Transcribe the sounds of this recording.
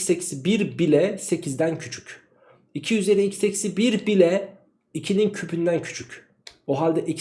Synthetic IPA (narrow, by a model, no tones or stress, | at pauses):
secʰi̥sibiɾbilʲɛse̞cʰizd̪æncʰyt͡ʃʰy̥c | icʰiyze̞ɾiicʰseci̥sibiɾbilʲɛ | icʰinincʰypʰynd̪æncʰy̥t͡ʃʰyc | oɦalʲd̪ɛʔic